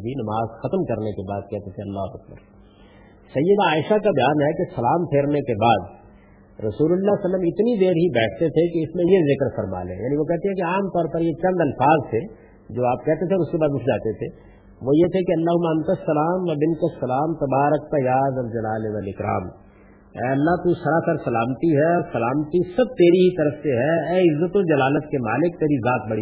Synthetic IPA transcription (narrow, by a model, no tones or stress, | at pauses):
binɐmaːzxɐt̪əmkɐɾnekebaːd̪̚kɛɦt̪et̪ʰeɐlːaːɦʊɐk̚bə̰ɾ | sɐjːəd̪aːɪʃakabɐjaːnɦɛkesɐlaːmpʰeːɾnekebaːd̪ | ɾɐsuːlʊlːasɐlːəmɪt̪nid̪eːɾɦibɛːʈʰt̪et̪ʰekeɪsmẽjezɪkɾfɐɾma̰ːlḛ̃ːja̰ːniʋokɛɦt̪eɛ̃keaːmt̪ɔːɾpɐɾjet͡ʃɐ̃nd̪ɐlfaːzt̪ʰe | d͡ʒoːaːp̚kɛɦt̪et̪ʰeɔːɾʊskebaːd̪ʊʈʰd͡ʒaːt̪et̪ʰe | ʋojet̪ʰekiɐlːaːɦʊmːaɐ̃nt̪asːɐlaːmʋɐbɪnkasːɐlaːmt̪ɐbaːɾək̚t̪ajaːzɐld͡ʒɐlaːleʋaːlɪkɾa̰ːm | ɛ̰ːɐlːaɦt̪usɐɾasaɾsɐlaːmt̪iɦɛsɐlaːmt̪isɐb̚t̪eːɾiɦit̪ɐɾəfseɦɛɛːɪzːət̪od͡ʒɐlaːlət̪kemaːlɪk̚t̪eːɾizaːt̪̚bɐɽi